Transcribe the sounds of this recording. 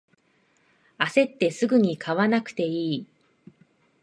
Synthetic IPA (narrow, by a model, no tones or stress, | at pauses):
ase̞t̪ːe̞sɨɡɯ̟ɲ̟ikʰaβanakɯ̟̥t̪e̞iː